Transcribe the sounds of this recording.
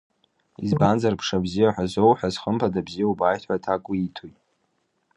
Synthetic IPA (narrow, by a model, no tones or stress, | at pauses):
ḭzbanzarpʰʂabzijaħazʷowħazχəmpʰadabzijaubaːjtʰħʷatʰakʼʊitʰojtʼ